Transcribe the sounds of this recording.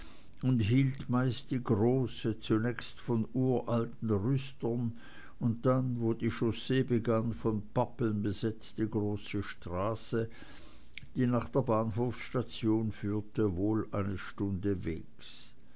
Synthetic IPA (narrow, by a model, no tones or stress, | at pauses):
ʊntɦiːltmaɪst̚d̥iːɡʁoːsət͡sunɛçstfɔnʔuːɐʔaltn̩ʁʏstɐn | ʊnt̚d̥anvoːdiːʃosebəɡanfɔnpapl̩nbəzɛt͡std̥iɡʁoːsəʃtʁ̥aːsə | d̥iːnaːχd̥eːɐbaːnɦoːfsʃtat͡sjoːnfyːɐtəvoːlʔa̰ɪnəʃtʊndəvḛːks